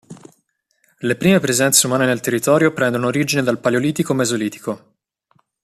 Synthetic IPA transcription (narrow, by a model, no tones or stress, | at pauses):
lepɾiːmepɾezɛnt̪seumaːnenelt̪erːit̪ɔːɾjopɾɛnd̪onoːɾiːd͡ʒined̪alpaleoliːt̪ikomezoliːt̪i̥ko